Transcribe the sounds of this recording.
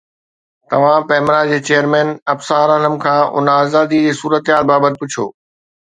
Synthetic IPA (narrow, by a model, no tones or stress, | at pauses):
t̪ɐʋ̤ãpɛːmɾad͡ʑeːt͡ɕeːəɾmɛ̃ːnɐbsaːɾələmkʰãːʊ̰naːzaːd̪id͡ʑeːsuːɾət̪ɪɦaːlbaːbət̪ɪ̥pʊt͡ɕʰo̰ː